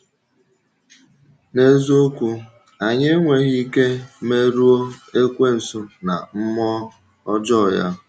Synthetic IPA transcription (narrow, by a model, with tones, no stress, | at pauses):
ne˦zo˦kʷu˦ | a˨ɲe˦ŋʷe˨ɣi˦ke˦me˦ɾu˦o˦e˦kʷe˦n̩˨sʊ˦na̰˨m̩˦mɔ˦ | ɔ˦d͡ʒɔ˦˨ja̰˦